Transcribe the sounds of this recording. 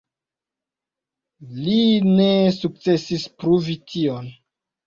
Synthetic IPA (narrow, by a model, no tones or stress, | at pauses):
linesuk̚t͡se̞sispɾuvitʰion